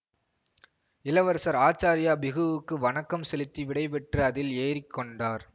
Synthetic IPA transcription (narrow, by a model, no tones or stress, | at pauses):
ɪlɐʋɐɾsɐɾaːt͡ʃːaːɾɪjaːbɪɣɯʋɯkːɯʋɐɳɐkːɐmsɛlɪt̪ːiʋɪɽɐɪpɛʈrɯɐðɪleːɾɪkːɔɳɖaːɾ